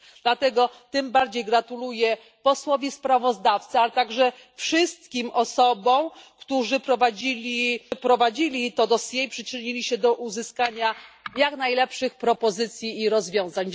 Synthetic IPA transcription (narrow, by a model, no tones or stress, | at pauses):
d̪̥lat̪ɛɡɔt̪ɘmbaɾd͡ʑejɡɾat̪ulujɛ | pɔswɔvʲispɾavɔzd̪aft̪sɨalɛt̪aɡʐɛ | fʂɘst̪kʲimʔɔsɔbɔ̃w̃kt̪uʐɘpɾɔvad͡ʑilʲipɾɔvad͡ʑilʲit̪ɔd̪ɔsʲjɛipʂɘt͡ʂɘɲilʲiɕɛd̪ɔʔuzɘskaɲajaknajlɛpʂɘxpɾɔpɔzɘt̪sʲjiːɾɔzvʲjɔ̃w̃zaɲ